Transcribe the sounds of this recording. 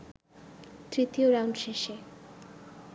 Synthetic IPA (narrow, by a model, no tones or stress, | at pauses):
t̪ɾit̪ioɾawɳɖʃeʃe